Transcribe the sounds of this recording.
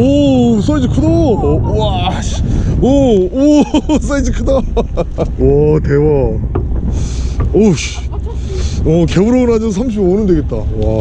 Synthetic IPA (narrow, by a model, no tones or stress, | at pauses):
os͈aid͡ʑikʰɯdowaɕoos͈aid͡ʑikʰɯda | wʌtewʌ | oɕ | ʌkebuɾoɡɯnɦad͡ʑsʰamɕ̬ʰibonɯndweɡet̚t͈awa